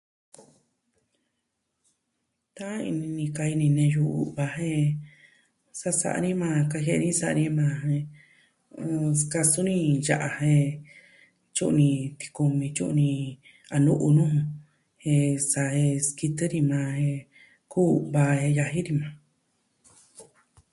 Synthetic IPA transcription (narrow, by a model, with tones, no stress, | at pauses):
t̪ã˦ḭ˧nĩ˧nĩ˧ka˧i˧nĩ˧nẽ˧ju˧ʔṵ˧βa˧ɦẽ˦˧ | sa˦sa̰˧˨ʔa̰˧nĩ˦mã˧ka˧ɦe˦˧nĩ˦sa˧ʔnĩ˦mã˧hẽ˧ | ska˧su˦nĩ˧ja˧ʔa˧he˧ | t͡ʃu˦ʔnĩ˧t̪i̥˧ku˧mĩ˧t͡ʃṵ˦ʔnĩ˧ | a˧nũ˦ʔu˧nũ˦˧ | he˧sa˧he˧ski˧t̪ɨ˦ɾi˧mã˧he˧ | ku˦˧βa˧e˧ja˧ɦi˦ɾi˧mã˧˨